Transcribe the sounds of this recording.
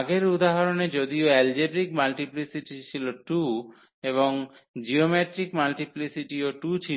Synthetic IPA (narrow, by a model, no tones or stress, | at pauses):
ɡeɾud̪aɦaɾoned͡ʒod̪ioɛld͡ʒebɾikmalʈiplisiʈit͡ʃʰiloʈu | eβoŋd͡ʒiomeʈɾikmalʈiplisiʈioʈut͡ʃʰi